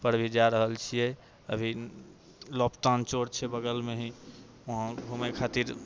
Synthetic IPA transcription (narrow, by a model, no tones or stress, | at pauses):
pəɾbʱid͡ʒaɾəɦəlt͡ʃʰijɛ | əbʱi | lɔpt̪ant͡ʃoɾt͡ʃʰɛbəɡəlmeɦĩ | oɦãbʱumekʰat̪iɾ